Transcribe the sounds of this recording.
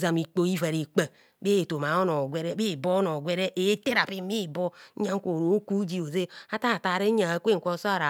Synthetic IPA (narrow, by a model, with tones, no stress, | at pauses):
za˨mi˨k͡po˨˦i˦va˨ɾe˨k͡pe˨ | be˦˨to˨ma˨o˦no˨ɡʷe˦ɾe˦be˦˨bo˦no˨ɡʷe˦ɾe˦ʔe˨˦te˦ɾa˨pi˦mi˦˨bo˦a˦ŋ̩˦kʷo˨ɾo˨˦ku˦d͡ʒi˦o˨ze˦a˦ta˦˨ta˨ɾe˦ɲa˨kʷe˦ŋ̩˨ko˦˨so˦a˦˨ɾa˨